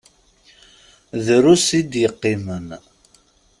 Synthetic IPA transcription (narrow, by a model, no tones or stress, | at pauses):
ðɾusid̪jəqːimən